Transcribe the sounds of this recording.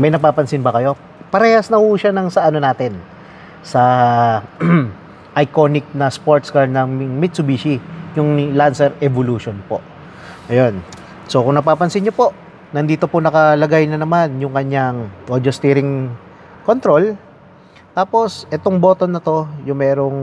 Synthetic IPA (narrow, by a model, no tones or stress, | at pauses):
mɐjnɐɡ̚paːpɐnsɪnbɐkɐjo̞ | pɐɾɛːhɐsnɐhuːʃanɐŋsɐʔɐno̞naːt̪ɪn | sɐ | ʔɐjko̞nɪk̚nɐspoɹt̪skɐɾd̪̚nɐŋmŋmɪt̪sʊbiːʃijʊŋlansɛɾɛboluːʃonpo̞̰ʔ | ʔɐjo̞n | so̞kʊŋnɐpaːpɐnsɪnɲopo̞ʔ | nɐnd̪iːt̪o̞pʊnɐkɐlɐɡajnɐnɐmanjʊŋkɐɲaŋod̪ost̪iːɾɪŋ | kont̪ɾo̞l | t̪aːpo̞sʔɛt̪oŋboːt̪onːɐt̪o̞jʊŋmɛːɾo̞ŋ